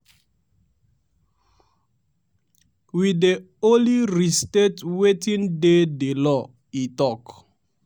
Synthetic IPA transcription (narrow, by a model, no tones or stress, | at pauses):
wide | oliɹistetwetĩndedelɔ | itɔk